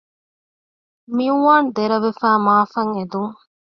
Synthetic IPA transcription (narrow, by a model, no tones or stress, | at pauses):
miuʋaːnd̪eɾɐʋefæːmaːfɐŋed̪uŋ